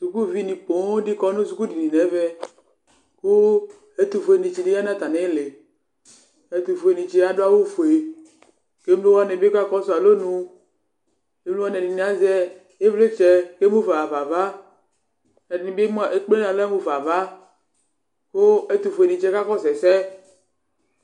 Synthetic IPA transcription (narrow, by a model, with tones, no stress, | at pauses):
su˨ku˦vi˦nĩ˨po˨˦di˦kɔ˦nũ˦su˨ku˦di˨nĩ˨nɛ̃˨˦vɛ˦ | ko˦ | e˦t̪u˨fo˨e˨nĩ˨t͡ʃi˨di˦ja˦nã˦t̪a˨nɛ̃˨˦le˨ | e˦t̪u˨fo˨e˨nĩ˨t͡ʃe˦a˦ɖo˦a˦wo˦fo˨e˨ | ke˦m˦lo˦wa˦ne˨bka˦kɔ˦so˦˨a˨lo˦nũ˦ | e˦mlu˦a˦nɛ˨di˨nĩ˨a˦zɛ˦ | e˦vle˦t͡ʃɛ˨ke˦mũ˦va˨va˨va˦ | nɛ˨di˨nĩ˨be˦mũ˦a˨ʔe˦k͡ple˦nã˨lmũ˦va˨va˦ | ko˦e˦t̪u˨fo˨e˨nĩ˨t͡ʃɛ˦ka˦kɔ˦sɛ˨sɛ˦